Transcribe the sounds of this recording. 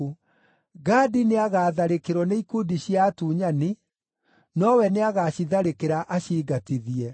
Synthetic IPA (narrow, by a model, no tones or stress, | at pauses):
ɡaːdineaɣaːðaɾekeɾwɔneikudiɕiatuːɲani | nɔwɛneaɣaːɕiðaɾekeɾaʔaɕiːɡatiðiɛ